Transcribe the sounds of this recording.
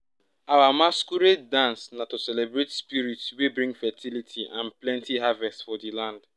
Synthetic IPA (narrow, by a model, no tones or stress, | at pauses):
awamaskuɾetdãnsnatosɛlebɾetspiɾitswebɾĩŋɡfɛtʰilitʰiʔãnplɛ̃ntiɦavɛstfɔdilãnd